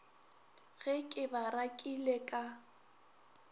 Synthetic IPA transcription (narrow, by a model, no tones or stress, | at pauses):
ɣɛkʼɪbarakʼilekʼa